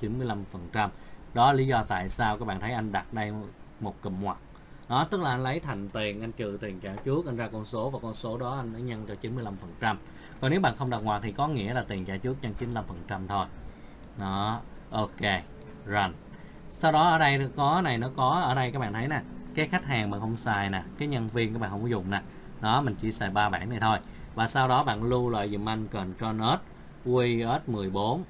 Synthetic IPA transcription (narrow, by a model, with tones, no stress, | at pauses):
t͡ɕi˨˦nmɨ˧əjla˧mfə˨˩nt͡ɕa˧mɗɔ˨˦la˨li˨˦zɔ˧t̪a̰ː˧˨jsaː˧wka˧˦˥k̚ɓa̰ː˧˨nt̪ʰjʔa˧ŋ̟ɗa˨˩t̚ɗə˧j | mo˨˩t̚kḭ˧˩ŋhwa˨˩t̚ | ɗɔ˨˦t̪ɨ˦˥k̚laː˨˩ʔa˧nlə˨˦jt̪ʰa˨˩jŋ̟t̪i˨˩ənʔa˧jnt͡ɕɨ˨˩t̪i˨˩ənt͡ɕaː˧˩t͡ɕu˦˥ək̚ʔa˧n̟zaː˧kɔ˧nso˨˦vaː˨˩kɔ˧nso˨˦ɗɔ˨˦ʔa˧jŋa˨˦jɲa˧ŋt͡ɕɔ˧t͡ɕi˨˦nmɨ˧əjla˧mfə˨˩nt͡ɕa˧m | kɔ˨˩ne˨˦wɓa̰ː˧˨nxə˧wŋ͡mɗa˨˩hwaː˨˩k̚t̪ʰi˨˩kɔ˨˦ŋḭ˧˥əlaː˨˩t̪i˨˩t͡ɕaː˧˩t͡ɕu˦˥ək̚ɲa˧ŋt͡ɕi˨˦la˧mfə˨˩nt͡ɕa˧mt̪ʰo˧j | nɔ˨˦ʔo˧ke˧ | zə˨˩n | sa˧wɗɔ˨˦ʔəː˧˩ɗə˧jkɔ˨˦na˨˩jnɔ˨˦kɔ˨˦ʔəː˧˩ɗə˧jkaː˦˥k̚ɓa̰ː˧˨nt̪ʰjnaː˨˩kaː˨˦jxa˦˥k̟̚haː˨˩ŋɓa̰ː˧˨nxə˧wŋ͡msaː˧˩jnaː˨˩kaː˨˦jɲə˧nvi˧ənkaː˨˦ɓa̰ː˧˨hzʊ̰˨˩˨ŋ͡mna˨˩ | nɔ˨˦mï˨˩ŋ̟t͡ɕḭ˧˩saː˨˩jɓaː˧ɓa̰ː˧˩˨nːa˨˩jt̪ʰo˧j | vaː˨˩sa˧wɗɔ˨˦ɓa̰ː˧˨nlu˧lwa̰ː˧˨jzḭ˨˩mʔa˧jŋ̟kə˨˩nt͡ɕɔ˧nə˦˥t̚ | ki˧ʔəː˦˥t̚mɨ˨˩əjɓo˨˦n